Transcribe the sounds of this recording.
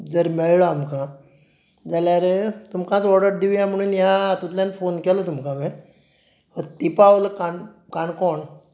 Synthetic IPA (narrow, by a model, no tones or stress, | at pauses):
d͡zəɾmɛɭɭəamkã | d͡zaljaɾet̪umkãt͡sɔɾɖəɾd̪iujãm̤əɽ̃unjãt̪ũt̪lanfonkelot̪umkãme | ɔɾt̪ipaʋoləkaɳ | kaɳkɔɳ